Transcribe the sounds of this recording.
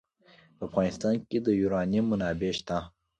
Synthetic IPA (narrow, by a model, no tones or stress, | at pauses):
pəafɣɑːnɪst̪ɑːnked̪əjuːɾɑːnimʊnɑːbeʃt̪a